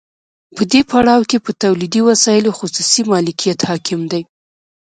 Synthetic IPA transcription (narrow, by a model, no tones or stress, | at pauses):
pəd̪epaɽɑwkepət̪awlid̪iwasɑjɪloxʊsusimɑlɪkʰijat̪hɑkʰɪmd̪aj